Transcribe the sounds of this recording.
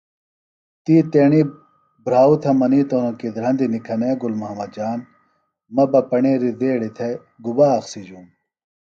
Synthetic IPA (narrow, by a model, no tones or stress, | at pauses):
t̪iːt̪eːɳi | bɾaːut̪ʰɐmɐniːt̪oːnõkid̪ɾɐ̃nd̪inikʰɐneːɡulmɐɦɐmɐd̪̚d͡ʑaːn | mɐbɐpɐɳeːɾid̪eːɽit̪ʰe | ɡubaːɐxsid͡ʑuːm